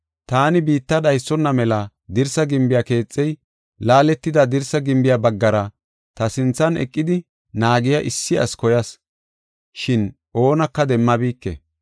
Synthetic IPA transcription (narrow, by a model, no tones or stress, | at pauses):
t̪aːnɪbiːt̪ːɐd̪ɐjsːɔnːɐmɛlɐ | d̪ɪɾsɐɡɪmbɪjɐke̞ːt͡sʼːɛj | laːlɛt̪ːɪd̪ɐd̪ɪɾsɐɡɪmbɪjabɐɡːɐɾɐ | t̪ɐsɪnt͡sːɐnɛ̰kʼːɪd̪ɪ | naːɡɪjɐʔɪsːɪɐ̰skɔjɐs | ʃɪn | ʔo̞ːnɐkːɐd̪ɛmːɐbiːkːɛ̰